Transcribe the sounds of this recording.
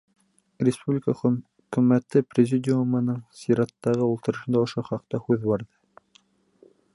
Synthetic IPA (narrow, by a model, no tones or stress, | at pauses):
ɾʲɪspublʲɪkəχɵ | kɵ̆mæt̪ɘprʲɪzʲidʲɪumɤ̆nɤɴsiɾɑt̪ːɑʁɤulˠt̪ɤ̆ɾɤ̆ʃɤ̆nd̪ɑŏʃoχɑq̚t̪ɑhʉðbɑɾðɤ